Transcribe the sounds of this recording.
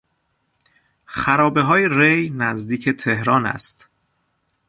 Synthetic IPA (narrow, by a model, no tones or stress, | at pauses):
xæɾɒːbeɦɒːjeɾejnæzd̪iːcʰe̞t̪ʰehɾɒːnæ̰st̪